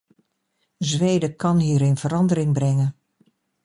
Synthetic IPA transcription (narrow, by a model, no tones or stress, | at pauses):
zʋejdəkɑnɦiːɾɪnv̥əɾɑndəɾɪŋbrɛŋən